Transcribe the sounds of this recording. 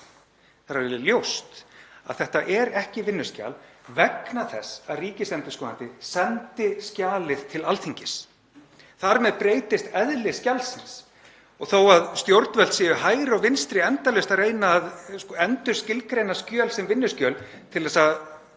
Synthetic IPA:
θaɾaɾvɛlʏljowst̪a̰ðθɛht̪aʔɛɾɛhcɪvɪnːʏ̥sca̰lvɛknaθɛsːaðriːcɪsɛnt̪ɪ̥skɔnat̪ɪsɛnt̪ɪscaːlɪðt̪ʰɪlalt̪θiɲcɪs | θaɾmɛðpɾeːjt̪ɪst̪ɛðlɪscalsɪns | ɔɣθowaðst̪jowɾt̪nvɛlt̪sɪːjʏhaːjɾɪɔɣvɪnst̪ɾɪɛnt̪alœst̪areːjnaːðskɔɛnt̪ʏ̥scɪlkɾejnascœːlsɛmvɪnːʏscœːl | t̪ʰɪlðɛːsa

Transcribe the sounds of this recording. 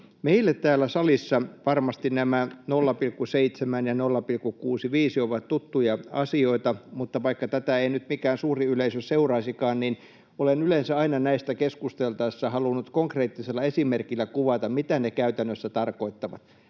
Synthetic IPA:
meilːet̪t̪æːlːˑæsɑlisːɑʋɑrmɑst̪inæmænolːɑpilkːuseit̪semænjɑnolːɑpilkːukuːsiʋiːsioʋɑt̪t̪ut̪ːujɑɑ̰sioit̪ɑmut̪ːɑʋɑikːɑt̪æt̪æeinyt̪mikæːnsuːriyleisøsseurɑːsikɑːnnin | olenylensæɑinɑnæist̪ækeskust̪elt̪ɑisːɑhɑlunːut̪koŋkreːt̪ːiselːɑesimerkilːækuʋɑt̪ɑmmit̪ænekæyt̪ænːøsːæt̪ɑrkoit̪ːɑʋɑ̰t̪

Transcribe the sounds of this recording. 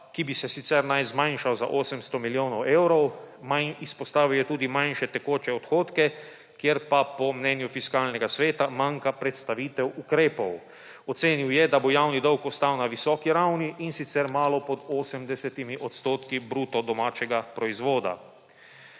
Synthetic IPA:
kibisɛsit̪sɛɾnajzmãjnʃawza̰ʔoːsəmst̪ɔmiljoːnɔwʔewɾɔw | manispɔst̪aːʋiwjɛt̪uːd̪imanʃɛt̪ɛkoːt͡ʃɛɔt̪xoːt̪kɛ | kjeɾpapɔmnɛnjufiskaːlnɛɡasʋeːt̪amaːŋkapɾɛt̪st̪aʋiːt̪ɛwukɾeːpɔw | ɔt̪seːniwjɛd̪abojawnid̪ɔwkɔst̪awnaʋisɔːkiɾawniʔːnsit̪sɛɾmaːlɔpɔd̪oːsəmd̪ɛsɛt̪imiʔɔt̪st̪oːt̪kibɾuːt̪ɔd̪ɔmaːt͡ʃɛɡapɾɔizʋoːd̪a̰

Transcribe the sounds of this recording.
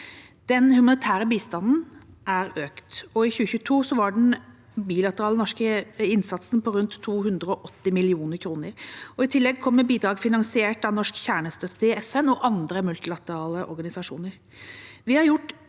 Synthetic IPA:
d̪̥ɛnhʉmɑnɪt̪ʰæːɾəbiːst̪ɑnn̩ | ʔæɾøːkt̪ɔɪçʉːəçʉːt̪ʰuːsɔʋɑɖɛn̩ | biːlɑt̪əɾɑːlənɔʂkəɪnsɑt̪sn̩pʰɔɾʉnt̪ʰːuːhʉnd̪ɾəɔʔɔt̪ːɪmɪlɪuːnəɾkʰɾuːnəɾɔɪt̪ʰɪlːɛɡ̚kʰɔmːəbiːd̪ɾɑːɡfɪnɑŋsɪeːʈɑnɔʂkçæːɳəst̪œt̪ːəɪɛfɛnɔʔɑnd̪ɾəmʉlt̪ɪlɑt̪əɾɑːləʔɔ̰ɾɡɑnɪsɑʂṵːnəɾ | ʋɪhɑɾjʊʈː

